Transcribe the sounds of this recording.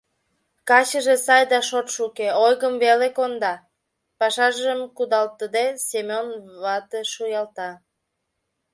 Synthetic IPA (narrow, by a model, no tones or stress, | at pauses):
kɑt͡ɕəʒesɑjd̪ɑʃot̪ʃukeojɣəmvelekond̪ɑ | pɑʃɑʒəmkud̪ɑlt̪əd̪esemʲonβɑt̪eʃujɑlt̪ɑ